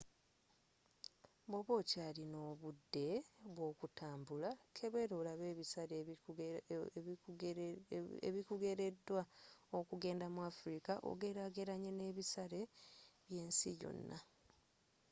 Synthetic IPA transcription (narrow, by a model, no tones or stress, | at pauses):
bo̞βo̞ːcalino̞ːβudːe̞βwo̞ːkutʰaːmbulakʰeβe̞ɾolaβeːβisaɾ | eβikuɡe̞ɾe̞dːwaokuɡe̞ːndamuwafuɾikaʔo̰ɡe̞ɾaɡeɾaɲene̞ːβisaɾe̞βje̞ːnsḭjo̰nːa